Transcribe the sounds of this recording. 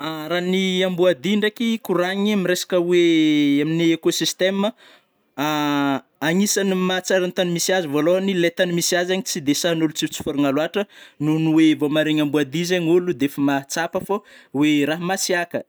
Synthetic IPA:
aɾaniambuad̪iɳɖ͡ʐakikuɾaɲiamiresḁkəweaminiekosist̪emə | a | aŋisanimat͡saɾant̪animisiazuvolonilet̪animisiazaɲit͡sid̪esanulut͡si̥t͡si̥foɾuŋaluaʈ͡ʂənunuwevomaɾeɲambuad̪izaɲulud̪eefamat͡sapəfaweɾaɦmasiakə

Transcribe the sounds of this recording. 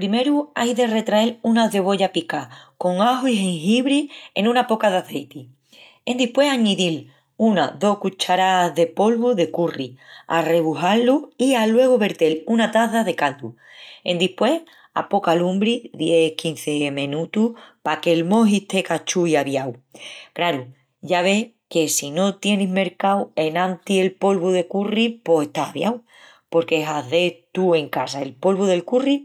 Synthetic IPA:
pɾime̞ɾuajðe̞re̞t̪ɾae̞lunaðe̞β̞o̞ʎapikako̞ŋaɦoiɦeŋɦiβɾie̞̰nũnapokaðaθe̞jt̪i | e̞nd̪ihpwe̞ɦaɲiðil | unaðo̞hkut͡ʃaɾaðe̞po̞lβuðe̞kuria̰re̞βuɦalːuialwe̞ɣ̞oβe̞ɾt̪e̞lunat̪aðaðe̞kald̪u | ḛnd̪ihpwe̞h | a̰po̞kalumbɾiðje̞kin̟θe̞mẽnut̪uhpake̞lmõ̞ɦit̪e̞kat͡ʃuiaβjawkɾaɾu | ʝaβ̞e̞h | ke̞sino̞t̪je̞niɦme̞ɾkawe̞nãnt̪ie̞lpo̞lβuðe̞kuripo̞se̞ht̪aaβjaw | po̞ɾkeɦaðe̞t̪ue̞ŋkasaelpo̞lβuðe̞lkuri

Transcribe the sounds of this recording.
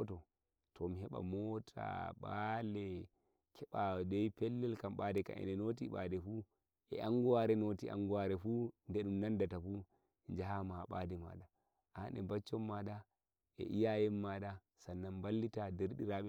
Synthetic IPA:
ɔtɔ | tɔmiɦɛɓa̰mɔtʰa̰ɓalɛ | kʰɛɓadɛjpɛlːɛlkamɓadɛka̰ʔɛ̰nɛnot̬iɓadɛfu | ʔɛ̰ʔaŋɡuwaɾɛnotia̰ŋɡuwaɾɛfundɛɗumnandatafu | ɲd͡ʒaɦamaɓadɛma̰ɗa | ʔanɛbat͡ʃːɔmːada | ʔɛ̰ʔijajɛmːaɗa | sanːambalːitadɛɾɗiɾaɓɛ

